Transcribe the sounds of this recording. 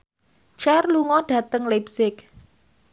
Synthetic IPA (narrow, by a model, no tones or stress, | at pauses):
t͡ʃɛrluŋɔɖ̥ä̤t̪əŋlabsɪk